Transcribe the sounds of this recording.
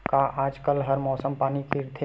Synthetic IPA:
kaʔaːd͡ʒkəlɦɐɾmɔːsəmpaːnikiɾt̪ʰe

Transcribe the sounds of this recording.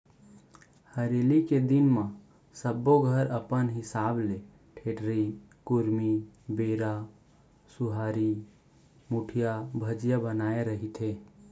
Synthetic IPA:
həɾeliked̪ɪnmã | səbːoɡʱəɾəpənɦɪsaːble | ʈʰeʈɾi | kʊɾmibeɾa | suɦaːɾi | muʈʰijabʱəd͡ʒjabənaːeɾəɦit̪ʰe

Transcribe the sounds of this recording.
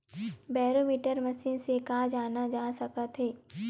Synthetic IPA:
bɛːɾoːmiːʈəɾmɐsiːnsekaːd͡ʒaːnad͡ʒaːsɐkət̪ɦeː

